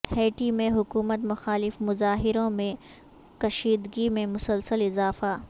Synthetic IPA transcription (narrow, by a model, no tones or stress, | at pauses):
hɛːʈimẽɦʊkuːmət̪mʊxaːlɪfmʊzaːɦɪɾõmẽ | kɐʃiːd̪ɡimẽmʊsəlsəlɪzaːfa